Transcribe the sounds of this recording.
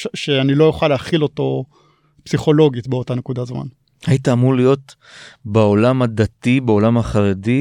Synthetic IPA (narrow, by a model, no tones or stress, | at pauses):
ʃeanilo̞juχaleaχilo̞to̞ | psiχo̞lo̞ɡitbeotane̞kudazma̰n | hait̪aːmulijo̞t̪ | beolamad̪atibeo̞lamaχaʁedi